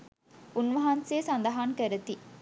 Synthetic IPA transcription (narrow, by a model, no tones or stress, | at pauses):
unʋɐɦanseːsɐnd̪ɐɦaŋkøɾət̪i